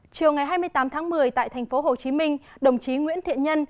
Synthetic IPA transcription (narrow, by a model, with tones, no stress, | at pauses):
t͡ɕi˨˩əwŋa˨˩jɦaː˧jmɨ˧əjt̪aː˨˦mt̪ʰaː˨˦ŋmɨ˨˩əjt̪a̰ː˧˨jt̪ʰɛ˨˩ŋ̟fo˨˦ɦo˨˩t͡ɕi˨˦mï˧ŋ̟ɗə˨˩wŋ͡mt͡ɕi˨˦ŋwḭ˧˥ənt̪ʰḭ˧˨ənɲə˧n